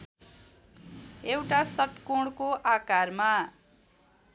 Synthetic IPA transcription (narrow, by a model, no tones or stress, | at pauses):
ewʈasʌʈkoɽkoʔakarma